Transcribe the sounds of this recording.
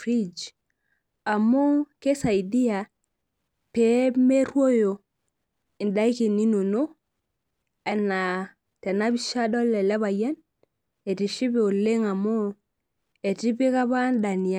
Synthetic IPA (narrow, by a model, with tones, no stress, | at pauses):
ɾi˦d͡ʒ | a˨mo˦ke˦sa˨i˨di˦ja˨ | pe˦me˦ɾwo˦jo˨ | i˨nda˦i˦ki˨ni˦no˨no˦ | a˨na˨ | tɛ˨na˦bi˦ʃa˦dɔ˦lɛ˨lɛ˦βa˨jɛ˦n | e˨ti˨ʃi˦be˨o˨le˦ŋa˨mo˦ | e˨ti˦bi˦ka˦ba˦nda˨ni˨a˨